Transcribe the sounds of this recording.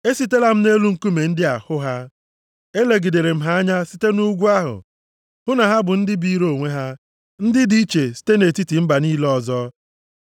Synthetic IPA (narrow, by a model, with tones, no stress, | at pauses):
e˦si˦te˦la˦m̩˦ne˦lu˦ŋ̩˨ku˦me˨n̩˦dɪ˦a˨hʊ˦ɦa˦ | e˦le˨ɡi˨de˨ɾe˨m̩˦ɦa˦a˦ɲa˦si˦te˦nu˦ɡʷu˦a˦ɦʊ̰˨ | hʊ˦na˨ɦa˦bʊ˨n̩˦dɪ˦bi˦ɾo˨ŋʷe˦ɦa˦ | n̩˦dɪ˦di˦i˦t͡ʃe˨si̥˦te˦ne˨ti˦ti˨m̩˦ba˨niː˦lɔ˦˨zɔ˦